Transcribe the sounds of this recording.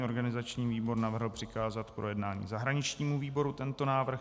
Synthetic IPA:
ʔo̞ɾɡanɪzat͡ʃɲiːviːbo̞ɾnavr̩ɦl̩pr̥ɪkaːzat̪pɾo̞jɛdnaːɲḭːzaɦɾaɲɪt͡ʃɲiːmuviːbo̞ɾut̪ɛnt̪o̞naːvr̩

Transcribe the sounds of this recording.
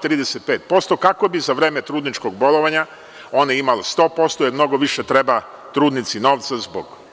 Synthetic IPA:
t̪ɾiːd̪eset̪̚pe̞ːt̪̚po̞st̪o̞kako̞bizaʋɾeːmet̪ɾuːd̪nit͡ʃkoɡbo̞lˠoʋaɲa | o̞neimalest̪o̞ːpo̞st̪ojeɾmno̞ɡoʋiʃet̪ɾeba | t̪ɾuːd̪nit̪sino̞ːʋt̪sazbo̰ɡ

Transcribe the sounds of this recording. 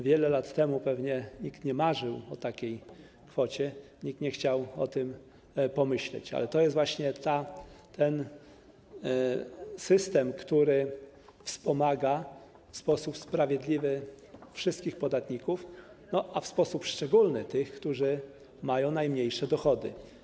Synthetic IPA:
vʲjɛlɛlat̪ːɛmupɛvɲɛɲikt̪ɲɛmaʐɘwɔt̪akʲej | kfɔt͡ɕɛ | ɲikt̪ɲɛxt͡ɕawɔt̪ɘm | pɔmɘɕlɛ̰t͡ɕa̰lɛt̪ɔjɛst̪vwaɕɲɛt̪at̪ʰɛn | sɘst̪ɛmkt̪uɾɘ | fspɔmaɡa | fspɔsupspɾavʲjɛd̪lʲivɘ | fʂɘst̪̚kʲixpɔd̪at̪ɲikuf | nɔʔafspɔsupʂt͡ʂɛɡulnɘt̪ɘxkt̪uʐɘ | majɔ̃w̃najmɲejʂɛd̪ɔxɔd̪ɘ̰

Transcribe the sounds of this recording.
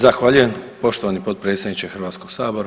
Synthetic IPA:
zaxʋaʎuje̞mpo̞ʃt̪oʋanipo̞t̪̚pɾe̞ːt̪st̪ad̪nit͡ɕexrʋaːt̪sko̞ɡ̥saːbo̞ɾa

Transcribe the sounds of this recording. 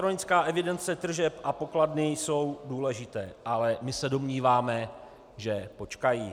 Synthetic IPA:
ɾo̞nɪt͡skaːʔɛvɪdɛnt͡sɛt̪r̩ʒɛpʔapo̞kladnɪjso̞wduːlɛʒɪt̪ɛːʔalɛmɪsɛdo̞mɲiːvaːmɛ | ʒɛpo̞t͡ʃkajiː

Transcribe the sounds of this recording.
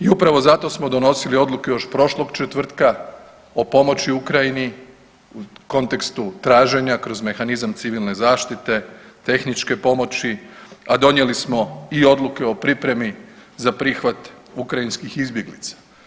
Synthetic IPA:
iupɾaʋo̞zat̪o̞smo̞d̪o̞no̞silio̞d̪lukejo̞ʃpɾo̞ʃlˠoɡt͡ʃet̪ʋr̩t̪ka | o̞po̞mo̞t͡ɕiukɾajini | uko̞nt̪e̞kst̪ut̪ɾaːʒe̞ɲakɾo̞zme̞xanizamt̪siʋilˠne̞zaːʃt̪it̪e̞t̪e̞xnit͡ʃke̞po̞mo̞t͡ɕiad̪o̞nje̞lismo̞io̞d̪lukeo̞pɾipɾe̞mizapɾiːxʋat̪ | ukɾainskixizbje̞ɡlḭt̪sḁ

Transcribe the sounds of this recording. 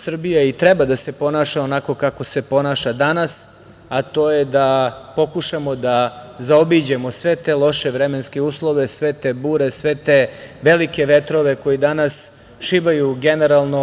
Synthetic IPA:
sr̩bijait̪ɾebad̪ase̞po̞naʃaonako̞kako̞se̞po̞naːʃad̪anas | at̪o̞ːjed̪apo̞kuʂamod̪azaobid͡ʑemo̞sʋe̞t̪elˠo̞ʃeʋɾemenskeuːslˠo̞ʋesʋe̞t̪ebuːɾe̞sʋe̞t̪eʋe̞like̞ʋe̞t̪ɾoʋeko̞jid̪anas | ʃiʋajuɡene̞ɾalˠno

